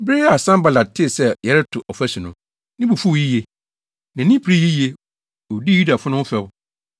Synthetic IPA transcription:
bɪ˦a˨sã˦mba˨la˨d̚tʰːɪ˦˨sɛ˦jɛ˨ɾɛ˦tʰʊ˨ʔɔ˨fɛ˦sɪ̃˨nʊ̃˨ | nɪ̃˦bu˨fu˦˨ji˦je˨ | nã˨nĩ˦pʰɾi˦ji˦je˦ | o˨di˦˨u˦da˨fʊ˦nʊ̃˦fɛ˦bʊ˦

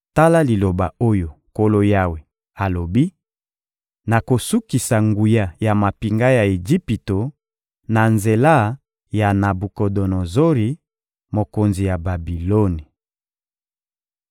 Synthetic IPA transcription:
ta˦la˦li˨lo˨ba˨o˦jo˨ko˦lo˦ja˦we˨ | a˨lo˨bi˦ | na˨ko˨su˦ki˨sa˨ŋɡu˨ja˨ja˨ma˨pi˨ŋɡa˦ja˨e˨d͡ʒi˦pi˨to˨ | na˨nze˨la˦˨ | ja˨na˨bu˨kɔ˨dɔ˨nɔ˨zo˦ʁi˨ | mo˨ko˨nzi˨ja˨ba˨bi˨lo˦ni˨

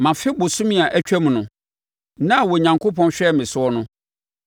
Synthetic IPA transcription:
mã˨fɪ˦bʊ˨sʊ̃˦mĩ˦a˨ʔæ˦t͡ɕᶣæ˦m̃˨nʊ̃˨ | nã˦˨wɔ˨ɲã˨ŋkʰo˦pʰɔ̃˦nɕᶣɛ˦˨mɪ̃˨sʊ˦ɔ˦nʊ̃˦

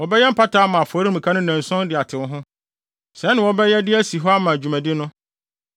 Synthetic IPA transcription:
wɔ˨bɛ˦jɛ˦m̩˦pʰa˦tʰaː˨˦mã˨a˨fɔ˨˦ɾi˦m̩̃˨kʰa˦nʊ̃˦næ̃˨n˨sʊ̃˦n˦dɪ˨a˨tʰɪ˨˦ɦʊ̃˦ | sɛ˨˦nɪ̃˨wɔ˦bɛ˦jɛ˦dɪ˦æ˦si˨ɦɔ˦a˦mã˨æ˨d͡ʑᶣu˨mæ̃˨dɪ˦nʊ̃˦

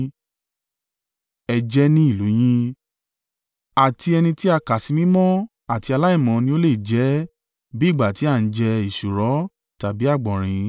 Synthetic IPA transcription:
ɛ˧d͡ʒɛ˦nĩ˦i˦˨lu˨˦j̃ĩ˦ | a˨ti˧ɛ˧nĩ˧ti˦a˧ka˨si˨˧mĩ˦mɔ̃˦ | a˨ti˧a˧la˦i˦˨mɔ̃˨˦˧nĩ˧˦o˦le˦˨d͡ʒɛ˨˦ | bi˦i˦˨ɡ͡ba˨ti˨˦a˦˨n̩˨˦d͡ʒɛ˧i˨ʃu˨ɾɔ˨˦ | ta˨bi˨˦a˦˨ɡ͡bɔ̃˨ɾ̃ĩ˨˧

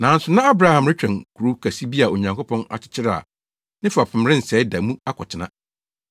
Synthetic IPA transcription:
nã˨n̩˦sʊ˨˦nã˦a˦bɾa˦˨hã˨mɾɪ˦t͡ɕᶣɾɛ̃˨nkʰu˨ɾu˦kʰa˨si˦bi˦a˨o˨ɲã˨ŋkʰo˦pʰɔ̃˦na̰˨t͡ɕʰɪ̥˦t͡ɕʰɪ˦ɾa̰˦˨ | nɪ̃˦fa˨pʰɪ̃˨mɾɪ̃˦n̩˨sɛ˨˦ɪ˦da˨mũ˦a˦kʰɔ̰˨t͡ɕʰɪ˦nã̰˦

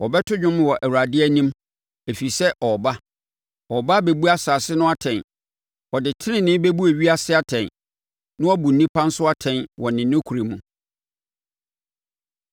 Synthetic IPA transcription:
wɔ˨bɛ˦tʰʊ˦ɲᶣʊ̃˦m˦˨wɔ˨ʔæ˨wu˨ɾa˨dɪ˦æ˦nĩ˦m | e˨fi˨sɛ˦ʔɔ˨ba˦ | ɔ˨ba˦be˨bu˦a˦saː˨sɪ˦nʊ̃˦a˦tʰɛ̃˨n | ɔ˨dɪ˨tʰɪ˦nɪ̃˨nɪ̃˦be˦bu˦æ˨ɥi˦a˦sɪ˦a˦tʰɛ̃˨n | nʊ̃˦ɔ˦bu˨n̩˨nĩ˦pʰã˦n̩˦sʊ˦a˦tʰɛ̃˨nwɔ˨nɪ̃˨nːʊ̃˦kʰu˨ɾe˨mũ˨

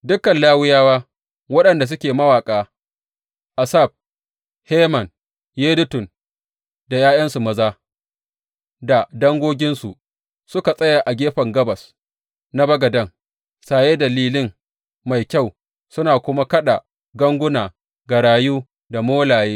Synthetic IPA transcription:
dʊ˦kːɐ˨nlaː˦wɪ˦jaː˦waː˦ | wɐ˦ɗɐ˨nda˨s̬ʊ˦kʲeː˨mɐ˦waː˨kʼaː˦ | ʔa˨sa˦˨b̚ | heː˦mɐ˨n | jeː˦dʊ˦tʊ˨n | da˨jaː˦jɐ˦nsu˨mɐ˨zaː˦ | da˨dɐ˦ŋɡʷoː˦ɡʲɪ˦nsu˨ʔ | sʊ˦ka˨sʼɐ˦ja˨ʔa˨ɡʲeː˦ɸɐ˨ŋɡɐ˦bɐ˨s | na˦bɐ˦ɡɐ˨dɐ˦ŋ | saː˨je˦dɐ˨liː˦lɪ˦ŋ | ma˨jkʲa˦˨w | sʊ˦naː˨kʷʊ˦ma˦kɐ˦ɗa˨ | ɡɐ˦ŋɡʷʊ˦naː˨ | ɡɐ˨ɽaː˨juː˦ | da˨moː˦laː˨jeː˦

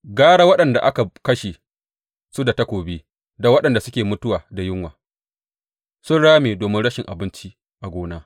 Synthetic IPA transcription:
ɡaː˦ɽaː˦wɐ˦ɗɐ˨nda˨ʔa˦ka˨kɐ˦ʃeː˨ | su˦da˨tɐ˦kʷoː˨beː˦ | da˨˦wɐ˦ɗɐ˨nda˨sʊ˦kʲeː˨mʊ˦tʊ˦waː˨da˨jɪ˦ŋwaː˨ | sʊ˦nɽaː˦meː˨doː˨mɪ˦nɽɐ˦ʃɪ˨ŋʔa˨bɪ˦nt͡ʃi˦ | ʔa˨ɡʷoː˦naː˦

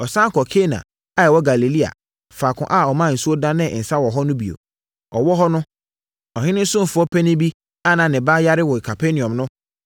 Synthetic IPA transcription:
ɔ˨sã˦kʰɔ˨kʰe˦nã̰˨ | a˦ɛ˨wɔ˦ɡa˨le˨li˦a̰˨ | faː˨kʰʊ̰̃˨ʔa˦˨ɔ˨mã˦˨n̩˨su˦o˦dã˦nɪ̃˦˨n̩˨sa˦wɔ˨ɦɔ˦nʊ̃˦bi˨o̰˨ | ɔ̰˨wɔ˦ɦɔ˦nʊ̃˦ | ɔ˨hɪ̃˦nʊ̃˦sʊ̃˦m˨fʊ˨˦ɔ˦pʰɛ˦nɪ̃˦bi˦ | a˦˨nã˨nɪ̃˨ba˦ja˦ɾɪ˦wɔ˨kʰa˨pʰe˦nĩ˨ɔ̃˨mnʊ̃˦

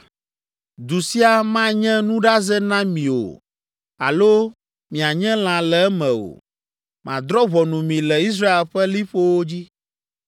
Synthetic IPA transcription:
d̪u˨si˦a˨mã˦ɲɛ̃˦nũ˦ɖa˦zɛ˦nã˦mĩ˨o̰˨ | a̰˨lo˦ | mĩ˨a˨ɲɛ̃˦l̃ã˨lɛ˨ɛ˦mɛ̃˨o̰˨ | mʔã̰˨d̪ɾɔ˦βɔ˨nũ˨mĩ˨lɛ˨i˦s̬ɾa˦e˨lɸɛ˦li˦ɸo˦wo˦d͡ʑi˦

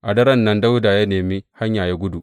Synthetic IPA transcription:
ʔa˨dɐ˦ɾɐ˦nːɐ˦nda˦wda˨ja˦neː˨mi˦ha˦ɲjaː˨ja˦ɡʷʊ˦du˨ʔ

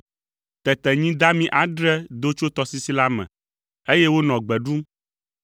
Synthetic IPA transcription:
t̪ɛ˨t̪ɛ˨ɲĩ˦d̪a˦mĩ˦ʔa˨ɖɾɛ˦d̪o˦t͡ʃo˦t̪ɔ˦si˦si˦la˦mɛ̰̃˨ | e˦jɛ˦wo˦nɔ̃˨ɡ͡bɛ˨ɖu˦m

